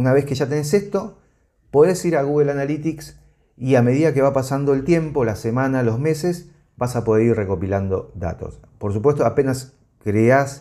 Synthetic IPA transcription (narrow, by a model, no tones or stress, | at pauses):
unaβe̞hkeʒat̪e̞nes̬e̞st̪o̞ | po̞ðe̞siɾaɣuɣelanalit̪iks | iame̞ðiðake̞βapasand̪o̞elt̪je̞mpo̞lase̞mãnalo̞zme̞se̞s | basapo̞ð̞e̞ɾirre̞ko̞piland̪o̞d̪a̰t̪o̞̰spo̞ɾs̬upwest̪oape̞nas | kɾeas